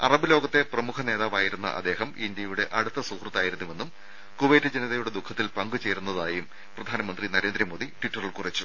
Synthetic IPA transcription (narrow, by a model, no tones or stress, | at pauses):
ɐ̰rɐbɨlo̞ːɡɐt̪ːe̞prɐmukʰɐne̞ːðaːʋaːjiɾunːɐ̰ʔɐ̰d̪ːe̞ːɦɐmind̪jɐjuɽe̞ʔɐɽut̪ːɐsuːkrɐt̪ːaːjiɾunːuʋe̞nːum | kuʋeːtːɨd͡ʑeniðɐjuɽe̞d̪ukʰːɐt̪ːilpɐŋɡut͡ɕe̞ːɾunːɐðaːjum | prɐd̪ʱaːnɐmɐnd̪rinɐɾe̞ːnd̪ɾɐmoːd̪iʈiʈːɐrɐɭkurit͡ɕːu